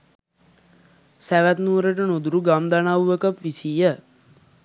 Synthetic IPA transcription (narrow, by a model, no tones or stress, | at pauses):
sæʋæt̪nuːɾəʈ̬ənud̪uɾuɡamd̪anawʋəkəpʋisijə